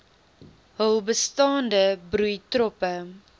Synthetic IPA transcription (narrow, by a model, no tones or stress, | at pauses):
ɦəwˠbəstɑːndəbɾujtrɔpə